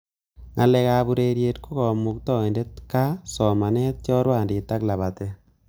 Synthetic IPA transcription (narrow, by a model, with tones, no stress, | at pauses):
ŋa˨lɛ˨ka˨bu˨ɾe˨ɾje˨tku˦kɔ˨mu˨k̚tɔ˦˨e˨nde˦tka˦sɔ˨ma˨nɛ˦t̚t͡ʃɔ˦ɾwa˨ndɪ˨ta˦kla˨βa˨te˦